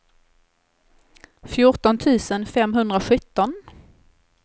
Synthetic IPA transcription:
fjʊʈɔnt̪ʰʉ̟ːsənfɛmɦɵnd̪ɾaɧɵt̪ːɔn

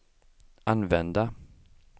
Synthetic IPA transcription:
anvɛnd̪a

